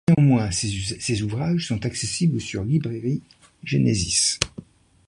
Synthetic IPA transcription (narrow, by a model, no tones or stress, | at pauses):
eɑ̃mwɛ̃ssezuvʁaʒsɔ̃t̪aksesiblsyʁlibʁɛʁi | ʒenezis